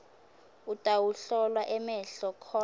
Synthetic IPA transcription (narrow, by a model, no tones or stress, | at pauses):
utʼawuɬɔlwaʔɛmɛɬɔkʰɔː